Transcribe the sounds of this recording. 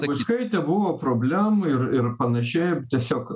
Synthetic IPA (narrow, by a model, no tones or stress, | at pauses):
ʋʊɪskɐɪt̪ʲɛbʊʋopɾoːbʲlʲæmʊɪɾɪɾpɐnɐʃʲɛɪt̪ʲiɛsʲoːk